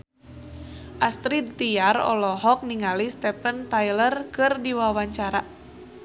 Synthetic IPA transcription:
ʔast̪ɾid̪̚t̪ijarɔ̰lɔɦɔk̚niŋalist̪ɛpənt̪ajlərkɨrdiwawaɲt͡ʃaɾa

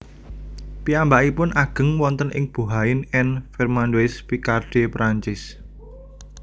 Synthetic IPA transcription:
piambaʔipʊnʔaɡ̥ə̤ŋwɔnt̪ənʔɪ̰ŋb̥ṳɦaɪnɛnfɛrmandoɪspikarɖ̥e̤pɾaɲt͡ʃɪs

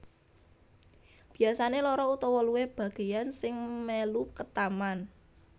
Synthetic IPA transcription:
b̥i̤asanelɔɾɔut̪ɔwɔluweb̥ä̤ɡ̥e̤jansɪŋmelukət̪aman

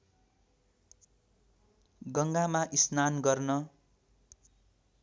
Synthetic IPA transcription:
ɡʌŋɡamaʔisnanɡʌrnʌ

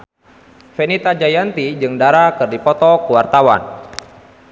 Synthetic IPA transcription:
fɛnit̪ad͡ʒajant̪id͡ʒɨŋdaɾakɨrdipɔt̪ɔkuwart̪awa̰n

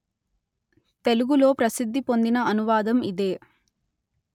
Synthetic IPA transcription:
t̪e̞luɡulo̞ːpɾɐsid̪ʱːipo̞nd̪inɐɐnuʋaːd̪ɐmid̪e̞ː

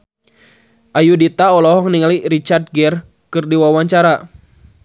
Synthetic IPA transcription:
ʔajudit̪aɔlɔɦɔŋniŋaliɾit͡ʃart̪̚ɡɛr | kɨrdiwawaɲt͡ʃaɾa

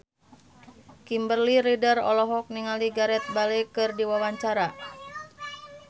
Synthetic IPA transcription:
kimbərliɾidərɔlɔɦɔk̚niŋaliɡaɾɛt̪̚balekɨrdiwawaɲt͡ʃaɾa

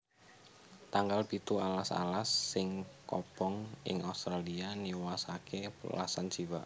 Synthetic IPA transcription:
t̪aŋɡalpit̪ualasa̰lasːɪŋkɔ̰pɔŋɪ̰ŋʔaust̪ɾalianiwasakʰepəla̰sant͡ʃiwa̰

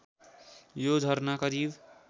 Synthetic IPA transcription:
jod͡ʒʱʌɾnakʌɾib

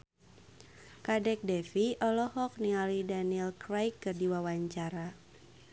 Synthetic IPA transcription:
kadɛk̚dɛfiʔɔlɔhɔk̚niŋalidaniɛlkɾajkːɨrdiwawaɲt͡ʃaɾa

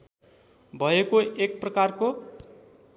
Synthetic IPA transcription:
bʱʌekoʔek̚prʌkarko

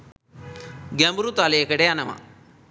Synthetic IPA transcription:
ɡɐmbɾut̪aleekɐɽeɐnɐmɐ̰

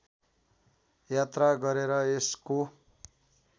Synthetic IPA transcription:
jat̪raɡʌɾeɾʌesko

